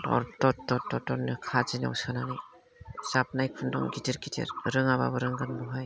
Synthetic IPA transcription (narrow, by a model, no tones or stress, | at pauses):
ɔ̰ɾtɔtɔtɔtɔnɯkʰazina̰wsananaj | zap̚najkʰundɔŋɡitiɾkitʰḛɾɾɯŋaba̰bɯɾɯŋɡanbɔɦaj